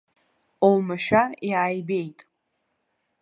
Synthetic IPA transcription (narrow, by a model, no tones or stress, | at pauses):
owmaʃᶣajaːjbejtʼ